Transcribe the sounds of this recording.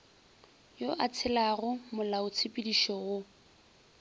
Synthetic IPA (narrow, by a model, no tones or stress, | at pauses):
joʔat͡sʰɪlaɣʊmʊlaʊt͡sʰɪpʼidiʃɔɣʊ